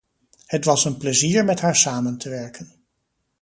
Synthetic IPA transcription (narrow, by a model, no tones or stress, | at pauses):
hətʋɑsənpləziːɹmɛtɦaːɹsaːməntʰəʋɛɹkən